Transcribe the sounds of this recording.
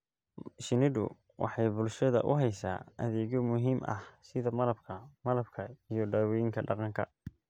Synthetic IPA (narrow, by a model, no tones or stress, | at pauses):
ʃɪnɪdʊ̰ | wʔɑ̰ħɑjbʊlʃɐðɐ̰ʔʊ̰ɦɛjsa̰ːɐ̰ðɛːɣɔmʊɦiːmʔɐ̰hsɪðɐmɐlɐbkʰɐmɐlɐbkʰɐijɔɖaːwɔjɪŋkʰɐɖɑqɑŋkʰɐ̰